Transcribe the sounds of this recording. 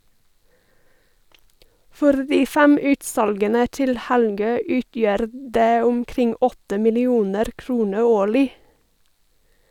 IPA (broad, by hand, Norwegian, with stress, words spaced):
ˈfɔɾ ˈdiː ˈfæm ˈʉːtˌsɑlɡənə ˈtɪl ˈhælˌɡøː ˈʉːtjœɾ ˈdeː ʊmˈkɾɪŋ ˈɔtə mɪlɪˈuːnəɾ ˈkɾuːnə ˈoːɭɪ